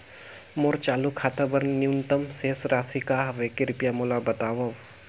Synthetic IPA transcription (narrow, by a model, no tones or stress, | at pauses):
moːɾt͡ʃaːlukʰaːt̪ɐbɐɾnnjunt̪ɐmseːsɾaːsikaɦʋekɪɾɪpjamolabɐt̪aːʋɐʋ